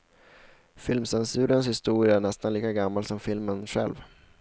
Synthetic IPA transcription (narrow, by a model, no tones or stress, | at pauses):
fɪlmsɛnsʉ̟ːɾənshɪst̪uːɾɪaæɳɛst̪anliːkaɡamːalsɔmfɪlmənɧɛ̰lv